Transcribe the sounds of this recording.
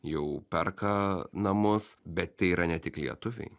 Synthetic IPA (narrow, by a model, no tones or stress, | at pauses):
jɛʊpʲɛrkɐnɐmʊsbʲɛt̪t̪ʲɛɪiːɾɐnʲɛt̪ʲɪklʲiɛt̪ʊʋʲɛ̰ɪ